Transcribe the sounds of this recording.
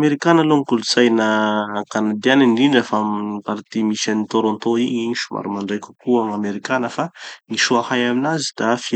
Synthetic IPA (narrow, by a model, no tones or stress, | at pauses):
meɾikanəloŋikulut͡sajnəkanad̪ianinɖ͡ʐiɳɖ͡ʐəfamnipaɾt̪imiʃanit̪oɾõnt̪oiiʃuma̰ɾumaɳɖ͡ʐajkʲu̥kuaŋameɾikanəfaniʃuahajaminazid̪̥afi